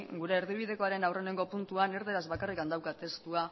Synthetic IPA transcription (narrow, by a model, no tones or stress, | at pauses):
ɡuɾe̞ːɾðiβ̞ið̞e̞ko̞aɾe̞nawre̞neŋɡo̞punt̪uaneɾðeɾazβakarikand̪awkat̪e̞st̪ua